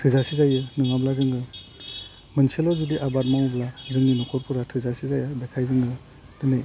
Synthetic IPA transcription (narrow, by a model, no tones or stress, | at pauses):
tʰɯzasizajɯnɯŋablazɯŋɡɯ | mɯnselɔzudiʔabat̚mawblazɯŋninɔkʰɔɾpʰuɾatʰɯzasizajabekʰajzɯŋɡɯ | dɯnɯj